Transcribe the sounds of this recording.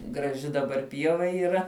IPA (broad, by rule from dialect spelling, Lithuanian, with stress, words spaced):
ɡrɐˈʒʲɪ dɐˈbɐr ˈpʲiɛʋɐ iːˈrɐ